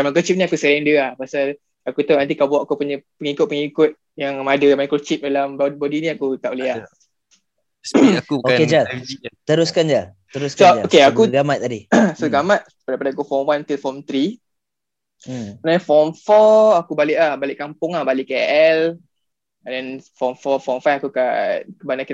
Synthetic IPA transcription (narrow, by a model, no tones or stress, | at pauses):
amãkɾut͡ʃip̚nĩakusəlɛndəahpasal | akut̪aʔnãnt̪ikabawaʔakupuɲəpəŋikʊt̪̚pəŋikʊt̪̚ | jaŋmadəmajkɾot͡ʃip̚dalambbodinĩakut̪aʔulea | uoed͡ʒait̪əɾuskand͡ʒa | t̪əɾusksoaokeakuɡamat̪̚ːadisoɡamat̪̚ | dajpadaakufɔmwant̪ilfɔmt̪ɾi | sənaɲafɔmfɔakubalɪʔlahbalɪʔkampʊŋahbalɪʔkaɛʔɛl | dɛnfɔmfɔfɔmfafakukakəbanaka